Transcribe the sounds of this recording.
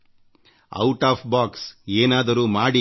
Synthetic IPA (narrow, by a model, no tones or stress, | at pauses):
ɐ̰wʈaːpʰbaːkseːnaːd̪ɐɾuːmaːɽi